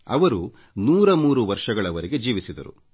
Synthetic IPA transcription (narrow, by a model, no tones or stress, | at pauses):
ɐ̰ʋɐɾu | nuːɾɐmuːɾuʋɐɾʂɐɡɐɭɐʋɐɾiɡe̞d͡ʒiːʋisid̪ɐ̰ɾṵ